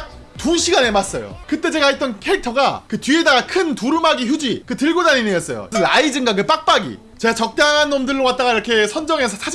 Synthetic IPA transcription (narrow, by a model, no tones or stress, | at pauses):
tuɕʰiɡane̞mas͈ʌ̰jo̰kɯt͈e̞d͡ʑe̞ɡaet͈ʌnkʰe̞ɭtʰʌɡakɯtɥie̞daɡakʰɯntuɾɯmaɡiçud͡ʑikɯtɯɭɡodaninijʌs͈ʌjo̰ʌnlaid͡ʑɯŋɡaɡɯp͈ak̚p͈aɡḭ | t͡ɕeɡat͡ɕʌk̚t͈aŋɦanːomdɯɭːowat̚t͈aɡaiɾʌkʰe̞sʰʌnd͡ʑʌŋe̞sʰʌsʰa